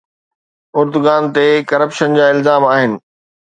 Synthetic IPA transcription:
ʊɾd̪ʊɡaːnt̪ekɐɾəpʃənd͡ʑaːɪlzaːmaːɦɪnɪ̆

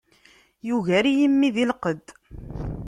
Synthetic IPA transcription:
juʝæɾijəmːiðilqəd̪

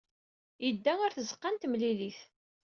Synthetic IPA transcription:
jəd̪ːæŋʊɾθəzəqːant̪mliliθ

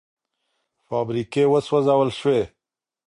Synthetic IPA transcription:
faːbɾikewəswazawəlʃwe

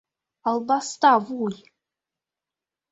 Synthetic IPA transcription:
ɑlˠbɑst̪ɑvuj

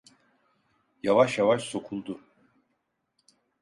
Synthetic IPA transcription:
javaʃjavaʃso̞kʰulˠd̪ʊ

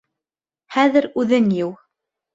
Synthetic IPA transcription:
hæðɘɾʉðɘnjɘw

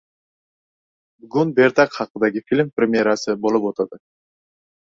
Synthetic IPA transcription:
bɡunbeɾt̪ɑqχɑqənd̪ɑɡʲɪfʲilʲmprʲɪmʲɪjeɾasɨbo̞lˠupot̪ɑd̪ə

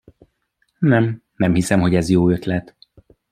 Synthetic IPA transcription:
nɛmnɛmhisɛmɦo̞ɟɛzjoːøt̪lɛt̪

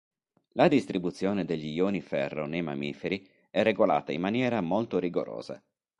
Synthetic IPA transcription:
lad̪ist̪ɾibut̪sːjoːned̪eʎːijoːnifɛrːo̰nejma̰miːfeɾi | ɛrːeɡola̰ːt̪aimːanjɛːɾamolt̪oɾiɡo̰ɾo̰ːz̥a̰

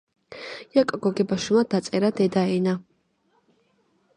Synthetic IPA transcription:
jakʼɡɔɡɛbaʃumad̪̥at̪sʼɛɾad̪ɛd̪aɛna

